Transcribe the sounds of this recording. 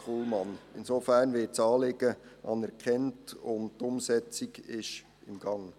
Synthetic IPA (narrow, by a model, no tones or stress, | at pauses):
χulmɑnɪnsofærnʋɪːtt͡sɑːlɪɡ̥əʔɑ̰nɛɾkʰɛntʊnd̚tʊmsɛt͡siɡɪʃ | ɪmɡ̥ɑŋ